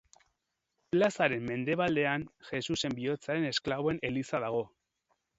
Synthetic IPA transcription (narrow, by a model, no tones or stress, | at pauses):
plasaɾe̞mːe̞nd̪e̞β̞ald̪e̞anxe̞suse̞mbio̞t͡saɾe̞ne̞sklaβo̞e̞ne̞lisaðaɣ̞o̞